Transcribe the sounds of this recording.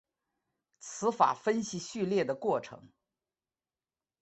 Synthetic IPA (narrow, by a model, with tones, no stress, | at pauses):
t͡sʰɹ̩˧˥fa̰˨˩fə˥nɕi˧˨ɕy˥˧ljɛ˥˩d̪ə˩kwɔ˥˩ʈ͡ʂʰɤ̰˧˥ŋ